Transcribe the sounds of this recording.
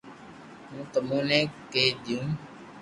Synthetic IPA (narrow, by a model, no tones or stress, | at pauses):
ɦũːt̪əmũːnẽːkeːɗ̪ɪjũː